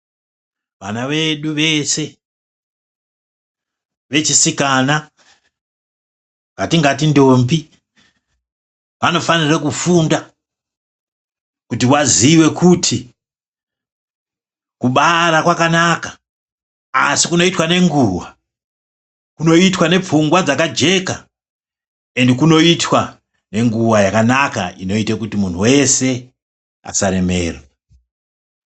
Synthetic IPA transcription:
ʋanaʋe̞ɗuʋe̞se̞ | ʋe̞t͡ʃisikana | ʋatiŋɡat̬indo̞mbi | ʋano̞fanirekufunda | kutiwaziwe̞kʰutʰi | kuɓaɾakwakanakḁ | a̰sikuno̞itwane̞ŋɡuwa | kuno̞itwane̞p͡fuŋɡwad͡zakad͡ʒe̞ka | e̞ndekuno̞itwa | ne̞ŋɡuwajakanaka̰ino̞itakutimun̤uwe̞se̞ | a̰saɾe̞mḛːre

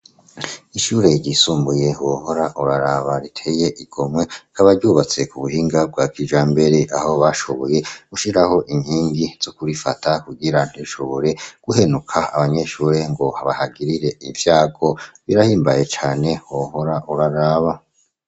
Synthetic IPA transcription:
iʃuːɾe̞ɾɟisuːmbuje̞hoho̞ɾaʔuɾaɾaːβaɾitʰe̞je̞ʔiɡ̥o̞mwe̞kaβaɾɟuːβat͡se̞kuβuhiːŋɡabɡaːkid͡ʒaːmbe̞ɾe̞ʔaho̞βaʃo̞βo̞je̞ɡuʃiɾaho̞ʔiɲhiːŋɡiz̥okuɾifa̰takuɡiɾan̥iʃo̞βo̞ɾe̞ɡ̥uhe̞nukʰaa̰βaɲe̞ʃuɾe̞ŋɡo̞haβahaɡiɾiɾe̞iɱvjaːɡo̞βiɾahiːmbaje̞t͡ʃaːne̞hoho̞ɾaʔuɾaɾaːβa

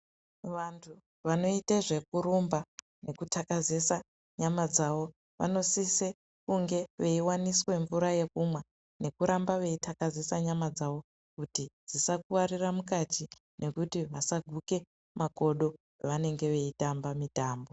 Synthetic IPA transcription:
ʋantʰu | ʋano̞iteʐe̞kuɾumba | ne̞kutʰakazesa | ɲamad͡zaʋo̞ | ʋa̰no̞sise | kuŋɡe̞ʋe̞iwaniswe̞ɱvuɾaje̞kumwa | ne̞kuɾambaʋe̞itʰakazesaɲamad͡zaʋo̞ | kutid͡zisakuwariramukatʰi | nʔe̞kutiʋasaɡʱuke̞ | mako̞ɗo̞ | ʋane̞ŋɡe̞ʋe̞itambamitaːmbo̞

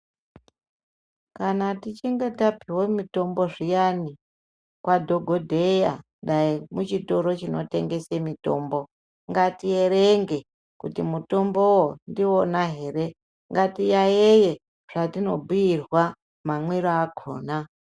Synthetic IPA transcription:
kanatit͡ʃiŋɡetapiwomito̞mbo̞ʐijani | kwadʱoɡʱodʱe̞janɗaimut͡ʃito̞ɾo̞t͡ʃino̞te̞ŋɡe̞semito̞mbo̞ | ŋɡatie̞ɾeŋɡe̞ | kutimuto̞mbowondionaɦe̞re | ŋɡatijajeje̞ | ʐ̥atino̞bʱujirwa | mamwiɾoakʰoːna

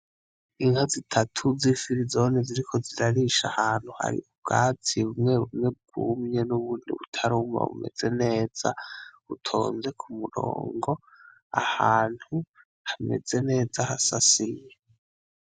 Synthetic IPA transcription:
iŋhazitʰatʰuzifiɾizoniziɾikʰo̞ziɾaɾiʃahaːn̥huha̰ɾḭub̚ɡaːtʰiβumŋe̞ɾumŋe̞b̚ɡ̥uːmɲe̞nuβuːndḭβutʰaɾuma̰βṵme̞̰z̥e̞ne̞ːz̥a̰βutʰo̞̰ːnze̞kʰumuɾo̰ːŋɡo̞ | ahaːn̥hu | hame̞z̥e̞ne̞ːzahasasiɲe

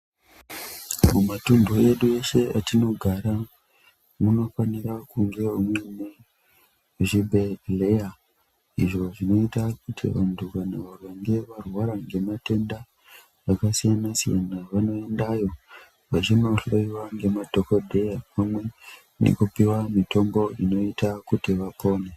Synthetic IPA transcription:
mumatundoje̞ɗue̞ʃe̞atino̞ɡʱaɾa | muno̞fanirakuŋɡe̞umwe̞ne | ʐibʱeleja | iʐo̞ʐino̞itakutʰḭʋa̰ntʰukanaʋaroŋɡe̞ʋarwaɾaŋɡe̞mate̞nda | ʋakasijanasija̰naʋano̞e̞ndajo̞ | ʋat͡ʃino̞ɬoiwaŋɡe̞madʱokodʱejapamwe̞ | nḛkupiwamito̞mbo̞ino̞itakutiʋapo̞ːne

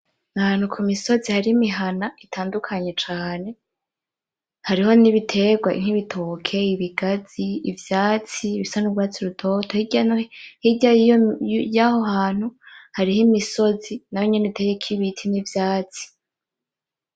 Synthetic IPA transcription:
nahaːn̥ukʰumiso̞zihaɾimiɦanaitʰaːndukʰaɲe̞t͡ʃaːne̞ | haɾiho̞niβitʰe̞ɡwaḭŋ̥iβitʰo̞ːkʰe̞iβiɡaz̥iːvjaːt͡siːβisanuɡwaːt͡siɾutʰo̞tʰohiɟanhiɟajijojaho̞ɦaːn̥huhaɾihimiso̞zinajoɲeneitʰejekʰiβitʰinivjaːt͡si̥

